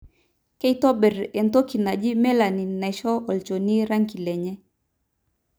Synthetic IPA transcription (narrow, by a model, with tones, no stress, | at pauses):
kɛ˦itɔ˦bɛ˨ɾɛ˨nto˦ki˨na˨d͡ʒi˦mɛ˦la˨ni˨na˨ʃɔ˦ɔ˨lt͡ʃo˨ni˦ɾa˦ŋki˨lɛ˨ɲɛ˦